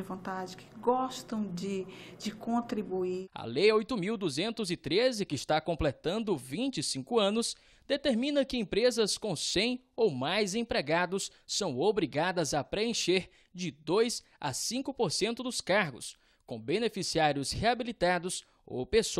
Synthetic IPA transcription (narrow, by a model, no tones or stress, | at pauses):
ɪvõnt̪ad͡ʒɪkʰɪ̥ɡɔst̪ɐ̃w̃d͡ʒɪd͡ʒɪkõnt̪ɾibuiɐ̰lejojt̪ʊmiwd̪uzẽnt̪ʊzɪt̪ɾezɪkɪɪst̪akõplet̪ɐ̃nd̪ʊvĩt͡ʃɪsĩkʊɐ̃nʊs | d̪̥et̪eɾmĩnɐkɪẽpɾezɐskõw̃sẽj̃ | owmajzẽpɾeɡad̪ʊsː | ɐ̃w̃obɾiɡad̪ɐzɐpɾeẽʃeɾ | d͡ʒɪd̪ojz | ɐ̰sĩkʊpoɾsẽnt̪ʊd̪ʊskaɾɡʊ̰s | kõbenefisiaɾjʊsheabilit̪ad̪ʊs | o̰wpeso